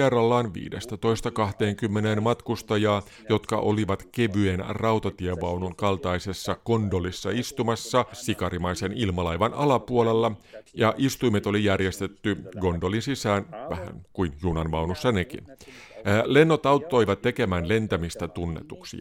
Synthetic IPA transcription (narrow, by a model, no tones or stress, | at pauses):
erːɑlːɑːnʋḭːdest̪æt̪o̞ist̪ɑkɑht̪e̞ːŋkymːenenmɑt̪kust̪ɑjɑː | jo̞t̪kɑ̰ʔo̞liʋɑt̪keʋyenrɑuwt̪ɑt̪ieʋɑwnunkɑlt̪ɑisesːɑko̞ndo̞lisːɑ̰ist̪umɑsːɑsikɑɾimɑjse̞nilmɑlɑjʋɑnɑlɑpuole̞lːɑjɑʔist̪uimet̪o̞lijærjest̪e̞t̪ːyɡo̞ndo̞linsisæːnʋæhæ̰ŋkuinjunɑnʋɑwnusːɑnekḭnː | le̞nːo̞t̪ɑwt̪ːo̞jʋɑt̪ːe̞ke̞mæːnle̞nt̪æmist̪æt̪unːḛt̪uksḭ